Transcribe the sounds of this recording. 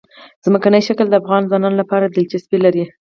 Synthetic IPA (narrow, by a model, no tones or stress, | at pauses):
z̥məkanəjʃakld̪əafɣɑnzwɑnɑnolapɑɾad̪ɪlt͡ʃaspilaɾi